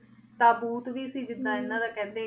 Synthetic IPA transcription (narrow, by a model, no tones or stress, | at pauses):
t̪ãːbuːt̪ʋiːəsĩːd͡ʒɪd̪ːãːɪnːãːd̪aːkɛ̃ːnd̪eː